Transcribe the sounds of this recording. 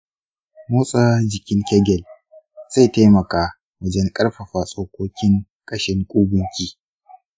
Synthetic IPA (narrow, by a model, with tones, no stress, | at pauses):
moː˦sʼaː˦d͡ʒɪ˨kʲɪ˦ŋkʲɛ˦ɡʲɛ˨l | z̥a˦˨ta˦mɐ˨kaː˦ | wɐ˨d͡ʒɛ˦ŋkʼɐ˦ɽɸɐ˨ɸaː˨sʼoː˨kʷoː˦kʲɪ˦ŋ | kʼɐ˦ʃɪ˦ŋkʷʼuː˦bʊ˦ŋkʲiː˦